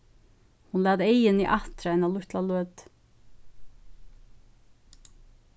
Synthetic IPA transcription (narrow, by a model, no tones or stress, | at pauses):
hʊnlæːd̪eɪəniːʔɑt̪ɾɑɛnalʊht̪laløːd̪̥